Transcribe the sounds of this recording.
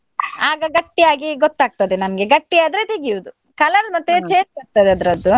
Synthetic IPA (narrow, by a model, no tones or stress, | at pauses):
aːɡɐɡɐʈːijaːɡiɡɔt̪ːaːɡ̚t̪ɐd̪enɐmɐɡe̞ɡɐʈːijaːd̪ɾe̞t̪eɡijuʋud̪u | kɐlɐnd̪mɐt̪ːet͡ʃeːt̪ɐɾ̚t̪ɐd̪eɐd̪ɐɾɐd̪ːu